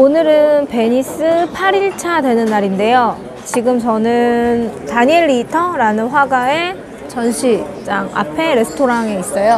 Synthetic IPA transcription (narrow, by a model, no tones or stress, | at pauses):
onɯɾɯnpe̞ɲis͈ɯpʰaɾiɭt͡ɕʰadwe̞nɯnːaɾinde̞jo | t͡ɕiɡɯmt͡ɕʌnɯntaɲeɭːiːtʰʌɾanɯnɸwaɡae̞ | t͡ɕʌnɕʰit͡ɕ͈aŋa̰pʰe̞ɾe̞sʰɯ̥tʰoɾaŋe̞is͈ʌjo